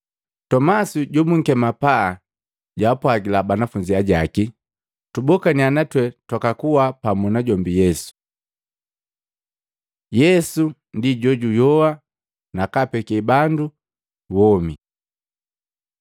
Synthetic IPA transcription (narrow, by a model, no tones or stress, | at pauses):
tɔmasuɟɔmuŋ̩kɛmapaː | ɟaːpwaɡilabanafuɲd͡ʒiaɟaki | tubɔkanianatwɛtwakakuwapamunaɟɔmbijɛsu̥ | jɛsu | ndiɟɔɟujɔwa | nakapɛkɛbandu | wɔmi